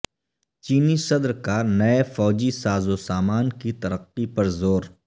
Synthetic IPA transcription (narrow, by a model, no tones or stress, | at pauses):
t͡ʃiːnisɐd̪ɾkanɐefɔːd͡ʒisaːzosaːmaːnkit̪ɐɾəqːipɐɾzoːɾ